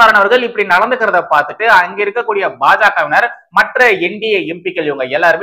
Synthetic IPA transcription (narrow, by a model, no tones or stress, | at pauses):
aːɾɐɳɐʋɐɾɣɐɭɪpːɐɽinɐɽɐnd̪ɯkːɪɾɐðɐpaːɾt̪ɯʈːɯɐŋɡeɪɾɯkːɐkːuːɽɪjɐbaːd͡ʒaːkɐʋɪnɐɾ | mɐʈrɐɛɳɖɪjɐɛmpikːɐljŋɡɐɛlːaːɾɯm